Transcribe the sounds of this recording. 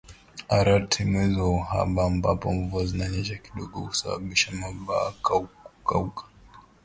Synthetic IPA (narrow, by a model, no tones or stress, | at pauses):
aɾatʰimwɛzɔha̰ɓaːmbapɔɱvuazinaɲɛʃaki̥ɗɔɡɔkusaɓa̰ɓiʃamaɓaːkakaukḁ